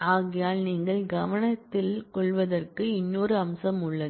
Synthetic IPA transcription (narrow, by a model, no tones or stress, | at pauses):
aːɣɪjaːlniːŋɡɐɭɡɐʋɐɳɐt̪ːɪlkɔɭʋɐðɐrkɯɪnːoːɾɯɐmsɐmʊɭːɐðɯ